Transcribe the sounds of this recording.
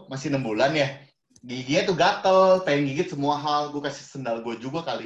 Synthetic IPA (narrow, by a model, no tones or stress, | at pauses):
masɪnəmbulanja | ɡiɡiat̪uɡat̪əlt̪ajŋɡiɡɪt̪̚səmuaɦalɡuakasɪ̥hsənalɡuad͡ʒuɡakali